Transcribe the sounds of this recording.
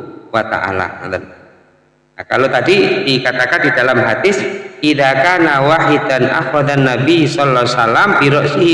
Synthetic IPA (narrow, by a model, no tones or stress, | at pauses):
wat̪a̰ʔa̰la̰a̰dan | nakalot̪adidikat̪akandidalamɦad̪ɪsidakanawaɦidanʔa̰fɾɔd̪anːabisɔlaasalampiɾɔʔsiɦ